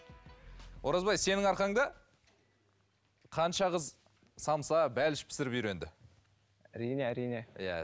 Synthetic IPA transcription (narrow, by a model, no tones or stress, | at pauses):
woɾɑzbɑjse̞nɪŋɑɾqɑɴd̪ɑ | qʰɑnʃɑʁəz | sɑmsɑbælɪʃɪ̥pʰɪ̥sɪɾɪpijɾe̞nd̪ɪ | æɾijneæɾijnejæ̰